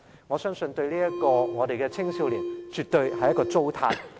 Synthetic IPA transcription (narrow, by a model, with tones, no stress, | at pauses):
ŋɔː˨˧sœː˥ŋsɵ˧nt̪ɵ˧ɥliː˥jɐ˥t̚kɔː˧ŋɔː˨˧t̪e˨jkɛː˧t͡sʰɪ˥ŋsiː˧˥wliː˨˩wt͡ʃyː˨t̪ɵ˧ɥhɐ˨˩jːɐ˥tkɔː˧t͡so˥wt̪ʰaː˧˥t